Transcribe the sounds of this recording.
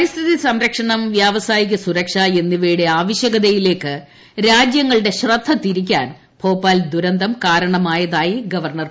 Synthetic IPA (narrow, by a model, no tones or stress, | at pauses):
pɐɾist̪ʰiðisɐmɾɐkʂɐɳɐmʋjaːʋɐsaːjikʲːɐsuɾɐkʂaːe̞nːiʋeːɽeaːʋɐɕjɐɣɐðɐjile̞ːkːɨ | ɾaːd͡ʑjɐŋːɐɭɨɽe̞ɕrɐd̪ʱːɐt̪iɾik̬ʲːa̰ːn | pʰo̞ːpːaːld̪uɾɐnd̪ɐmkaːɾɐɳɐmaːjɐðaːjiɡɐʋɐrɳɐr